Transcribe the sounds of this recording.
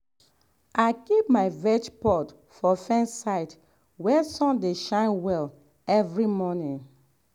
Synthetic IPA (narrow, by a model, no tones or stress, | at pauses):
ʔaɪkip̚maɪvɛt͡ʃpɔt | fɔfɛ̃nsaɪt | wɛsɔ̃ndeʃãɪ̃nwɛl | ɛvɹimɔnĩŋ